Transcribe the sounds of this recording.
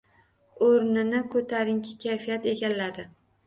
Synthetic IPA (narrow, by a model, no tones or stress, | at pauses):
oɾnɪnɪkʰɵt̪ʰaɾɪŋkʲʰɪkʲʰajfijat̪e̞ɡʲalːad̪ɪ